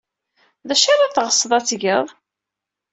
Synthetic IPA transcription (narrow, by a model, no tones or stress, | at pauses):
ðæʃaɾaθʁəsˤːðˤɑt͡sːʝəðˤ